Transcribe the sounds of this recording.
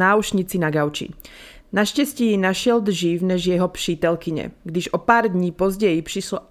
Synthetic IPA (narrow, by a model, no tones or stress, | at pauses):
aːuʃɲit͡sinaɡaʊt͡ʃḭ | naʃcɛscijɛnaʃɪɛld̪ʒiːvnɛʒjɛɦɔpʃiːt̪ɛlkiɲɛ̰ɡd̪iʒɔpaːɾd̪ɲiːpɔzɟɛjipʃiʃlɔ